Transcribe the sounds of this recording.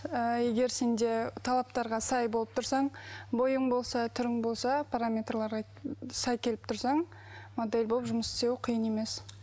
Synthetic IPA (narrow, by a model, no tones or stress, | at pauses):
e̞ɡʲe̞ɾse̞nd̪e̞t̪ʰɑlˠɑp̚t̪ɑɾʁɑsɑjbo̞lˠəp̚t̪ʰʊɾsɑɴbo̞jəɴbo̞lˠsɑt̪ʰʏɾɪŋbo̞lˠsɑpʰaɾamʲe̞t̪rlˠɑɾʁɑ | sɑjkʲʰe̞lɪpt̪ʰʊɾsɑɴ | mod̪e̞lʲbopʒʊməsɪ̥sewqʰijəne̞me̞s